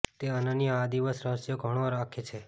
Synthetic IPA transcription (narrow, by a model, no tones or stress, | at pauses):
t̪eənənijəad̪iʋəsɾəɦəsjoɡʱəɽ̃oɾakʰet͡ʃʰe